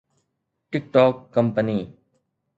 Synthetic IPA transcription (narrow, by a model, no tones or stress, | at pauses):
ʈɪk̚ʈɔːkːəmpəniː